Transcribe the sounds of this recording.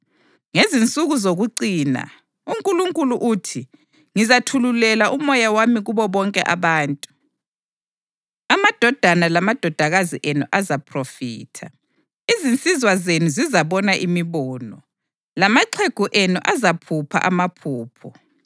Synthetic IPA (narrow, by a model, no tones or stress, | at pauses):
ŋezint͡sʼuɣuzoɣuǀiːna̰ | uŋkʼuluŋkʼuluʔuːtʰi | ŋizatʰululɛlaʔumɔjawamiɣuβɔβɔŋkʼɛ̰ʔaβaːntʼu | amad̥ʱɔd̥ʱanalamad̥ʱɔd̥ʱaɣaziʔenuʔazapʰrofḭːtʰa | izint͡sʼizwazenuzizaβɔnaʔimiβɔːnɔ | lamaǀʰeɡ̥ʱuʔenuʔazapʰupʰa̰ʔamapʰuːpʰɔ